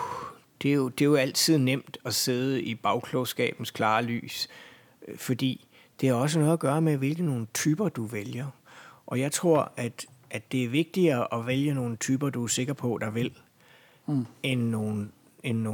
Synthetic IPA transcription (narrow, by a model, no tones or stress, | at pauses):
d̥e̝o̝d̥e̝joæl̰t͡sʰið̞̰ˠnem̰d̥ɒ̽se̝ð̞ˠəib̥ɑ̈ʊkʰlɔʊsɡ̥ɛ̰ːb̥n̩skʰlɑ̈ːly̰ːs | fɒ̽d̥ḭː | d̥e̝æɐɒ̽s̬ənɔ̽ːð̩ˠɐɡ̥ɶːɐmeʋe̝lɡ̥ð̩no̝ːn̩t͡sʰyːb̥ɐd̥uʋeljɐʔɒ̽jɑ̈ɪt͡sʰʁo̝ɐ̰æd̥ʔæ̥e̝æɐʋe̝ɡ̥̚d̥iɐʔɒ̽ʋeljəno̝ːnət͡sʰyːb̥ɐd̥uæɐse̝ɡ̥ɐpʰɒ̽d̥ɑ̈ʋel̰ | enːo̝ːn | enːo